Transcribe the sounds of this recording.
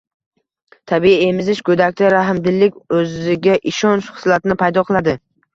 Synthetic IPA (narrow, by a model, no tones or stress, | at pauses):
t̪ʰabiie̞mɪzɪʃkʰɵd̪ak̚ʲt̪ʰaɾaɦɪmd̪ɪlːɪkʲɵzɪɡʲaʔɪʃɒnʃχɨ̥slˠat̪ɪnɪpʰajd̪ɒqʰɨlˠad̪ɪ